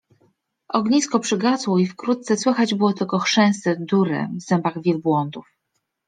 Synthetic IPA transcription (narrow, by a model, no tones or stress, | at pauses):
ʔɔɡɲiskɔpʂɘɡat̪swɔifkɾut̪̚t̪sɛswɘxad͡ʑbɘwɔt̪ɘlkɔxʂɛ̃w̃st̪ɛd̪uɾɛ̰vzɛmbaɣvʲjɛlbwɔnd̪uf